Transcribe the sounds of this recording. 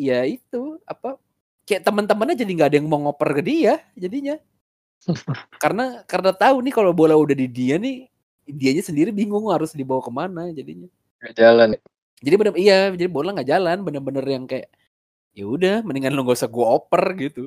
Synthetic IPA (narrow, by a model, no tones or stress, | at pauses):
ijait̪uapa | kajaʔt̪əmənt̪əmənɲad͡ʒadiŋɡaːdajaŋmoŋopərkədiad͡ʒadiɲa | karənakəɾənat̪aunɪkalobolaudahdidianɪ | diaɲasəndiɾibiŋʊŋhaɾʊsdibawakəmanad͡ʒadiɲa | ŋaʔd͡ʒalan | d͡ʒadibənəijad͡ʒadibolaŋɡaʔd͡ʒalanbənərbənərjaŋkajaʔ | jaudahməniŋanloŋɡabisaɡuaopərɡit̪u